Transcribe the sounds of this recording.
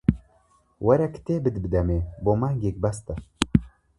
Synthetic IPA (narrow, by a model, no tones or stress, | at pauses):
wɐɾɛkt̪ebɨd̪bɨd̪ɛmebomaɡek̚bast̪ɐ